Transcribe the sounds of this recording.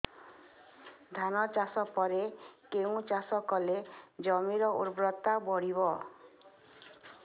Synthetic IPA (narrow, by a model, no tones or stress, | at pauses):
d̪ʱanɔt͡ʃasɔpɔɾekeũt͡ʃasɔkɔled͡ʒɔmiɾɔʔuɾbɾɔt̪abɔɽiβɔ